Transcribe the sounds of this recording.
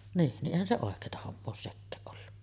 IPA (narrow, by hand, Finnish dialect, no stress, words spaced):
niːn niʔ ʔeˑihæn se oˑekˑeːtɑ homːoː oːs sekːæːʔ ʔolːu